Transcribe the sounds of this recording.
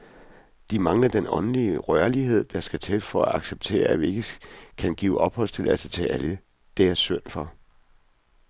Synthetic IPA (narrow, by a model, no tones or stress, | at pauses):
d̥imɑ̈ŋlɐd̥enɒ̽nəliəʁɶɐliɦe̝ð̰ˠd̥ɑ̈sɡ̥æt͡sʰed̥fɒ̽æɑ̈ɡ̥seb̥̚t͡sʰe̝̰ːɐæʋie̝ɡ̥əkʰænɡ̥ḭːʊʔɒ̽b̥hɒ̽st͡sʰe̝læsət͡sʰeʔælə | d̥eæɐsøn̰fɒ̽